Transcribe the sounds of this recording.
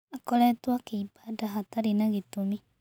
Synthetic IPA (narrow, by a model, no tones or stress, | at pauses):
akɔlɛtuwakeibadaɦataɾinaɣitumi